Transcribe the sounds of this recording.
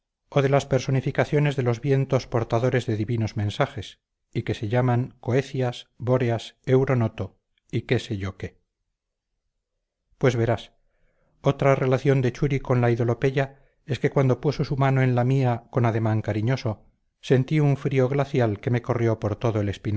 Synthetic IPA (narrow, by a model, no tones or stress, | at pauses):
oðe̞laspeɾso̞nifikaθjo̞ne̞zðe̞lo̞zβje̞nt̪o̞spo̞ɾt̪aðo̞ɾe̞zðeðiβino̞zmẽ̞nsaχe̞s | ike̞se̞ʎamaŋko̞eθjasbo̞ɾeasewɾo̞not̪o̞ | ike̞seʝoke | pwe̞zβe̞ɾas | o̞t̪ɾare̞laθjo̞nd̪e̞t͡ʃuɾiko̞nlaiðo̞lo̞pe̞ʝa | e̞ske̞kwand̪o̞pusosumanoe̞nlamiako̞naðe̞mãŋkaɾiɲo̞so̞ | se̞nt̪iuɱfɾio̞ɣlaθjalke̞me̞ko̞rjo̞po̞ɾt̪o̞ðoele̞spin